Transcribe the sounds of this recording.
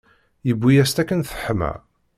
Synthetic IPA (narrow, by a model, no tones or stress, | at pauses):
jəbʷːijæst̪ækːənθə̥ħmæ̰